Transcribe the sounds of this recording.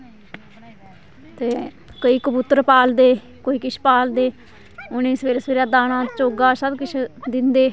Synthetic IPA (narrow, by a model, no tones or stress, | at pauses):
t̪eː | kəiːkəbʊt̪ːɾpaːld̪eː | koːiːkɪt͡ʃʰpaːld̪eː | ʊnẽːsəʋeːɾeːsəʋeːɾaːd̪aːnãːt͡ʃoːɡaːsəbkɪt͡ʃʰd̪ɪnd̪eː